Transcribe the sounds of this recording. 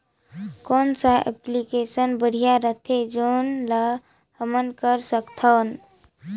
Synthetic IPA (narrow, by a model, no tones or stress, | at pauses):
koːnsaḛplikesənbəɽ̤ijaɾət̪ʰed͡ʒonlə | həmənkəɾsəkt̪ʰən